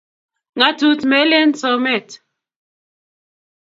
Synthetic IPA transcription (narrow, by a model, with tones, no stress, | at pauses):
ŋa˨˦tu˦tmɛ˦le˦n˦sɔ˨mɛ˦˨t